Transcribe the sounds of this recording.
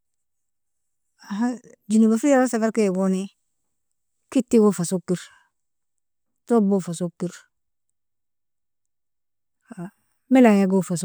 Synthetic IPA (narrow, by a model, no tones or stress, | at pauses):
aɦa | d͡ʒinubafiɾaɾsabaɾkeɡoni | kitːiɡofasokːiɾ | tobofasokːiɾ | a | milajaɡofas